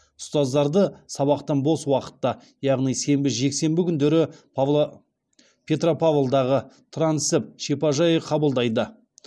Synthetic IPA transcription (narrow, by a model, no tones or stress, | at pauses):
ʊst̪ɑzd̪ɑɾd̪əsɑβɑqt̪ənbo̞swɑqə̥t̪ːɑ | jɑʁnijse̞mbɪʒe̞kse̞mbɪkʲʰʏnd̪e̞ɾɪpvˠ | pʰʲe̞t̪ropavlˠd̪ɑʁət̪ʰransɪp̚ʃepɑʒɑjəqʰɑbəlˠd̪ɑjd̪ə